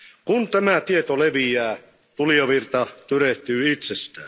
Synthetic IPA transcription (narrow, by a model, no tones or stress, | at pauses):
kunt̪æmæt̪iet̪oleʋijæː | t̪uliɑʋirt̪ɑt̪yreht̪yːit̪sest̪æ̰ː